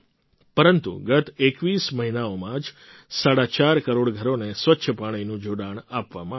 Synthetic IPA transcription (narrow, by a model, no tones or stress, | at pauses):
pəɾənt̪ṵɡət̪ekʋisməɦinaomãd͡ʒ | saɽat͡ʃaɾkəɾoɽɡʱəɾonesʋətːʃʰəpaɽ̃inũd͡ʒoɽaɳ̃apʋa̰mã